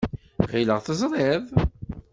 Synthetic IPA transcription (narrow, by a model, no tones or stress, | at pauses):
ʁiləʁθəzˤɾˤɪðˤ